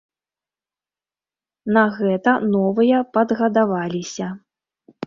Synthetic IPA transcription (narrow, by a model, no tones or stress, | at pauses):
nɐɣɛt̪ɐnɔvɨjɐpɐd̪ɣɐd̪avalʲisʲɐ